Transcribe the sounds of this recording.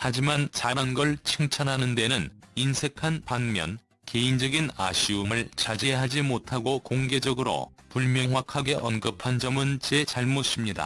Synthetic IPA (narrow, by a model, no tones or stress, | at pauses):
had͡ʑimant͡ɕaɾʌnɡʌɭt͡ɕʰiŋt͡ɕʰʌnɦanɯnde̞nɯninsʰe̞kʰanpanmjʌ̰n | ke̞ind͡ʑʌɡina̰ɕʰiumɯɭt͡ɕad͡ʑiɡeɦad͡ʑimotʰaɡokoŋɡe̞d͡ʑʌɡɯɾo̰ | puɭmjʌŋɦwakʰaɡe̞ʔʌnɡɯpʰand͡ʑʌmɯnt͡ɕe̞t͡ɕaɭmos͈imɲida̰